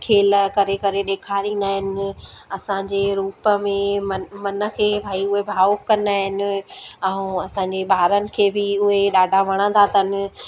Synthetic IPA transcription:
kʰeːlkɐɾekɐɾeɗ̪eːkʰaɗĩːnd̪aːɦɪnɪɪ̆ɐsãɲd͡ʑeɾuːpəmẽmɐmɐnə̆kʰeːbʱaːiʊɦebʱaːkːɐ̃nd̪aːɦɪnɪ̆ɛ̃ũɐsãːɲd͡ʑebʱaːɾənɪ̆kʰeːbɪʊɦeɗaːɖʱaʋɐɽ̃ə̃nt̪ʰat̪ənɪ̆

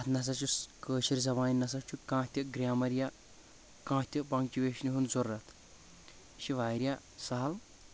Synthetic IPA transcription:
ɐt̪nɐs̬ɐt͡ʃuskəːʃiɾʲzɐmaːnnɐs̬ɐt͡ʃʰukãːt̪ʲɐɡɾʲaːmɐɾja | kãːt̪ʲipɐŋɡt͡ʃʲiʋeːʃniɦunzorːɐt̪ʰ | ʃiʋaːjɾja | sɐɦɐl

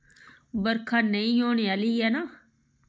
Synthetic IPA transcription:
bəɾkʰanːəĩjoːɳealiːɛːna

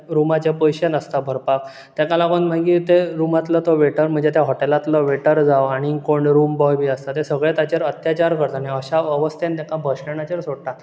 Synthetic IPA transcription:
ɾumat͡ɕepəjɕenəst̪abʱəɾpak̚ | t̪ɛ̃kalakənm̤ãkit̪eɾumat̪lət̪oʋeʈəɾm̤əɳd͡zet̪jaɦɔʈelat̪lɔʋeʈəɾd͡zaʋaɽ̃ikoɳɖɾumbɔjbʱiːəst̪at̪esəɡɭet̪at͡ɕeɾət̪jat͡ɕaɾkəɾt̪anaəɕaəʋəst̪ent̪ãkabʱəɕʈəɳat͡ɕeɾsoɽt̪a

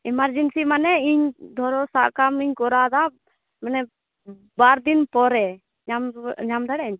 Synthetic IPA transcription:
ɛmaɾd͡ʒinsimanɛiɲd̪ʱɔɾɔsaʔkamiɲkɔɾad̪a | manɛ | baɾd̪inpɔɾɛ | ɲamɲamd̪aɽɛɲ

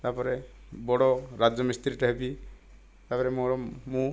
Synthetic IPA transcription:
t̪apɔɾebɔɽɔɾad͡ʒɔmist̪ɾiʈaɦebi | t̪apɔɾemoɾɔmũ

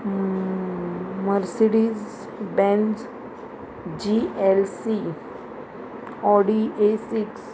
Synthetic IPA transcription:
məɾsiɽiz | bɛ̃nd͡z | d͡ʑielsi | ɔɽiʔesiks

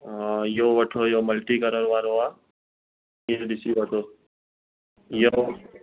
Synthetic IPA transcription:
joʋɐʈʰojoməlʈikəɾəɾʋaːɾoa | jeɖɪsibɐʈʰoː | jo

